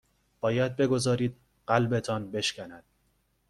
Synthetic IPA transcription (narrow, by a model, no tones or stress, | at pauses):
b̥ɒːjæd̪̚be̞ɡo̞zɒːɾiːd̪̚ | ɢælbe̞t̪ʰɒːnbe̞ʃcʲænæd̪̥̚